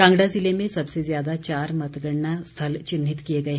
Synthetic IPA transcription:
kãŋɡɽad͡zilemẽsəbsezjad̪at͡ɕaːɾmət̪ɡəɳɳast̪ʰəlt͡ɕinːit̪kijeɡəe

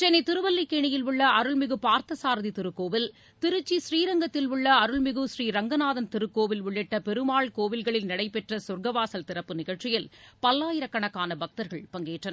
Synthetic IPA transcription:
t͡ʃɛnɛt̪ɪɾɯʋɐlːikːeːɳɪjɪlʊɭːɐʔɐɾɯɭmɪɣɯpaːɾt̪ɐsaːɾðit̪ɪɾɯkːoːʋɪl | t̪ɪɾɯt͡ʃːisriːɾɐŋɡɐt̪ːɪlʊɭːɐɐɾɯɭmɪɣɯsriːɾɐŋɡɐnaːðɐnt̪ɪɾɯkːoːʋɪlʋʊɭːɪʈːɐpɛɾɯmaːɭkoːʋɪlɣɐɭɪlnɪɽɐɪpɛʈrɐsʊɾɡɐʋaːsɐlt̪ɪɾɐpːɯnɪɣɐɭt͡ʃːɪjɪlpɐlːaːjɪɾɐkːɐɳɐkːaːnɐbɐk̚t̪ɐɾɣɐɭpɐŋɡeːʈrɐnɐ

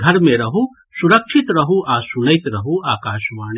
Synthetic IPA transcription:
ɡʱɐɾmẽɾɐɦu | suɾəkʃʰit̪ɾɐɦuʔasunəjt̪ɾɐɦuaːkaːʃmaːn

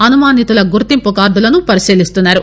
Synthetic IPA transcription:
ɐnumaːnit̪ulɐɡuɾt̪impukaːɾd̪ulɐnupɐɾisiːlist̪unːaːɾu

